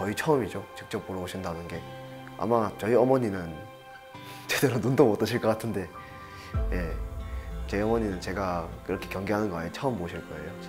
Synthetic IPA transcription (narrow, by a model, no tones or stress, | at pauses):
kʌit͡ɕʰʌɯmid͡ʑot͡ɕik̚t͡ɕ͈ʌp̚ːoɾʌboɕʰindannɡe̞ | a̰mat͡ɕʌiʌmʌɲinɯn | t͡ɕwe̞deɾonundomot͈ɯɕʰiɭk͈ʌk͈atʰɯnde̞ | je̞ | t͡ɕʌiʌmʌɲinɯnt͡ɕe̞ɡakɯɾʌkʰe̞kjʌŋɡeɦanɯnɡʌait͡ɕʰʌɯmboɕʰiɭk͈ʌḛjo